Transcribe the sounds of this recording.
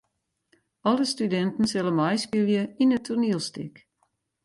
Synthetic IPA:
ɔlˠəstydɛntn̩sɪlˠəmajskilˠjəinətʰurniəlˠstɪ̰k

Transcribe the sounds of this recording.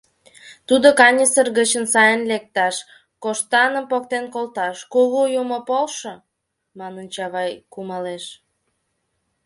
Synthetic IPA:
t̪ud̪okɑnʲisərɣət͡ɕənsɑjənlek̚t̪ɑʃ | koʃt̪ɑnəmpok̚t̪enkolt̪ɑʃkuɣojumopolʃə | mɑnənt͡ɕɑβɑjkumɑleʃ

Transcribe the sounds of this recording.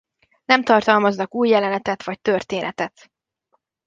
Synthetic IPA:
nɛmt̪ɒrt̪ɒlmɒznɒkuːjːɛlɛnɛt̪ɛt̪ʋɒc̚t̪ørt̪eːnʔɛt̪ɛt̪

